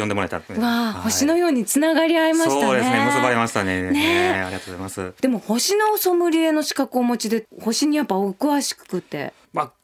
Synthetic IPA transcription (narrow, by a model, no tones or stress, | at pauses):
jõd̪emoɾaet̪at̪ɯβaho̞ɕino̞jo̞ːɲ̟it͡sɨnaɡaɾʲiaimaɕit̪ad̪eesobaɾimaɕi̥t̪anenea̰ɾʲiɡat̪oozajmasɨd̪̥e̞mo̞ho̞ɕino̞ːso̞mɯ̟ɾʲie̞no̞ɕi̥kakɯomo̞t͡ɕid̪e̞ho̞ɕiɲ̟ijapːaokɯ̟βaɕi̥kɯ̥kɯ̟t̪ːe̞̰ | ma